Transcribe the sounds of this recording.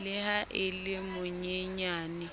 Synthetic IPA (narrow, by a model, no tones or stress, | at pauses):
lɪhaʔɪlɪmʊɲeɲaːnɪ